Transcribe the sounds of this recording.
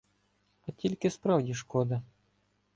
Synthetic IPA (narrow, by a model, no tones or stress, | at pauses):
ɐtʲilʲkʲɪspɾɑwdʲiʂkɔd̪ɐ